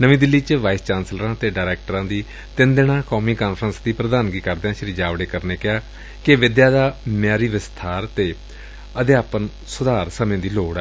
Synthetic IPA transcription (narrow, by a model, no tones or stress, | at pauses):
nəʋĩːd̪ɪlːiːt͡ʃəʋaːist͡ʃaːnsləɾãːt̪eːɖaːɾɛːk̚ʈəɾãːd̪iː | t̪ɪ̃nd̪eɽãːkɔːmiːkaːnpʰɾənsd̪iːpɾəd̪aːnɡiːkəɾd̪eãːʃəɾiːd͡ʒaːʋɽeːkəɾneːkɪaː | kɪʋɪd̪jaːd̪aːmjaːɾiːʋɪst̪ʰaːɾt̪eː | əd̪ɪaːpən | sʊd̪aːɾsəmẽːd̪iːloːɽɛ